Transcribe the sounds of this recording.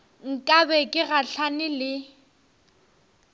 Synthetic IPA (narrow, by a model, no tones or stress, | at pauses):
ŋ̩kʼabɛkʼɪɣaɬʰanɪlɪ